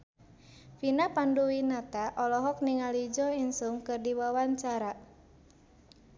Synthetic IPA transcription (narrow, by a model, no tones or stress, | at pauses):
finapanduwinat̪aʔɔlɔɦɔk̚niŋalid͡ʒɔinsumkɨrdiwawaɲt͡ʃaɾa